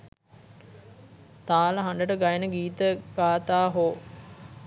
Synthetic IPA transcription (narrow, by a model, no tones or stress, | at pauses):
t̪aːləɦand̪əʈəɡajənəɡiːt̪əɡaːt̪aːɦoː